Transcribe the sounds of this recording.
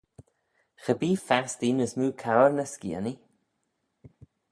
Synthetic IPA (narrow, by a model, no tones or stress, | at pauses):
xəbiːfast̪iːnəsmuːkʰawəɾnəskḭəni